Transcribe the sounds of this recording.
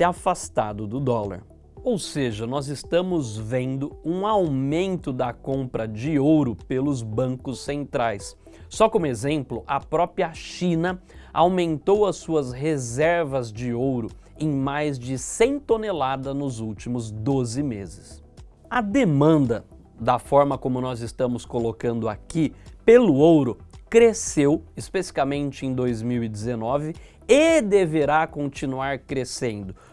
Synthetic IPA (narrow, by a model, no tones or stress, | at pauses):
ɛafast̪a̰d̪ʊd̪ʊd̪ɔla̰ɾ | owseʒɐnɔzɪst̪ɐ̃mʊzvẽnd̪ʊũawmẽnt̪ʊd̪ɐkõmpɾɐd͡ʒɪowɾʊpelʊzbɐ̃ŋkʊsẽnt̪ɾajsː | ɔkõmʊezẽmplʊʔɐpɾɔpɾiɐʃĩnɐawmẽnt̪owɐsuɐsɦezɛɾvɐzd͡ʒɪowɾʊ | ẽj̃majzd͡ʒɪsẽt̪onelad̪ɐnʊzuwt͡ʃimʊzd̪ozɪmezɪs | ɐd̪emɐ̃nd̪ɐ | d̪ɐfɔɾmɐkõmʊnɔzɪst̪ɐ̃mʊskolokɐ̃nd̪ʊakipelʊowɾʊkɾesewɪspesifikamẽnt͡ʃɪẽd̪ojzmiwid͡ʒɪzenɔvɪ | ɪd̪eveɾakõnt͡ʃinuaɾkɾesẽnd̪ʊ